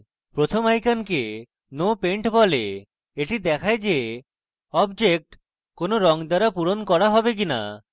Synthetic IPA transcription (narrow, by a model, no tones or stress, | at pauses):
pɾot̪ʰomajkanke | nopeɳʈbɔle | eʈid̪ɛkʰajd͡ʒe | ɔbd͡ʒek̚ʈ | konoɾɔŋd̪aɾapuɾonkɔɾaɦɔbek̬ina̰